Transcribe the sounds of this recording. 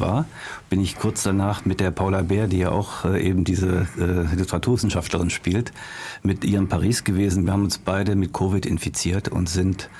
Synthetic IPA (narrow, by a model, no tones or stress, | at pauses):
va̰ːɐ | b̥ɪnɪçkʰʊɐt͡sd̥anaːχmɪt̚d̥eːɐpʰaʊlabeːɐdiːjaːʔa̰ʊxʔɛːʔeːbm̩diːzəʔɛːlɪtəʁatʰuːɐvɪsn̩ʃaftləʁɪnʃpiːltmɪtʔiːʁəmpʰaʁiːsɡ̥əveːzn̩viːɐhaːbm̩ʊnsb̥aɪdəmɪt̚kʰoːvɪtɪnfit͡siːɐtʰʊ̰ntz̥ɪnt